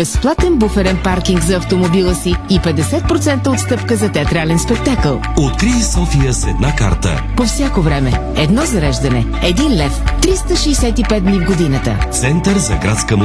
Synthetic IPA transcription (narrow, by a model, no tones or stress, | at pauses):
bɛsplˠat̪ɛnbufɛɾɛnpaɾkiŋɡzɐːft̪omobilˠəsiipɛd̪ɛsɛt̪̚pɾot̪sɛnt̪əot̪st̪ɤpkəzɐt̪ɛɐt̪ɾalɛnspɛk̚t̪akəlˠot̪̚kɾiisɔfijəsɛ̰d̪naka̰ɾt̪ə̰ | pofsʲjakovɾɛmɛ | ɛd̪nɔzɐɾɛʒd̪ɐnɛ | ɛd̪inlɛft̪ɾist̪əʃɛːsɛt̪ipɛd̪̚d̪nivɡod̪inət̪ə̰t̪sɛnt̪əɾzɐ̰ɡɾa̰t̪skəm